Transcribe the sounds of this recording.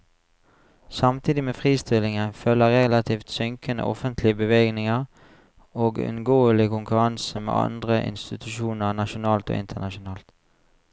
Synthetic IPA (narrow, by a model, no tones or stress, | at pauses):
sɑmt̪ʰiːd̪ɪmeːfʁiːst̪ɪlɪŋənfœləʁɛlɑt̪ʰiːft̪sʏŋkənə̰ʔɔfənt̪ʰlɪəbəʋeːɡnɪŋəʁ | oːɡʉ̰nɡoːəlɪkʰʊŋkʉʁɑnsəmḛːɑ̰nd̪ʁəʔɪ̰nst̪ɪt̪ʰʉʃuːnəʁnɑʃʊnɑːlt̪o̰ːɪ̰nt̪ʰənɑʃʊnɑːlt̪